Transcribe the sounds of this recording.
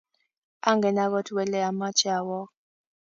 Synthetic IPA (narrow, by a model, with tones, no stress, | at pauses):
a˦ŋɡɛ˨na˦ɣɔ˦twɛ˨lɛ˦a˨ma˦t͡ʃa˨wɔ˦